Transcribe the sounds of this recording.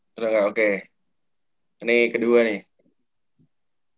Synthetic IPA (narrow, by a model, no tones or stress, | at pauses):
t̪ɾaŋɡaʔoke | nɪkəduanɪh